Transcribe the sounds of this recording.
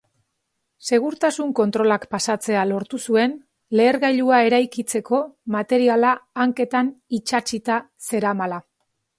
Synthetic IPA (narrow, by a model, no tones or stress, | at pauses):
se̞ɣ̞uɾt̪asuŋko̞nt̪ɾo̞lakpasat͡se̞alo̞ɾt̪usue̞n | le̞ːɾɣajʎuae̞ɾajkit͡se̞ko̞mat̪e̞ɾialaːŋke̞t̪anit͡ʃat͡ʃit̪a | se̞ɾamala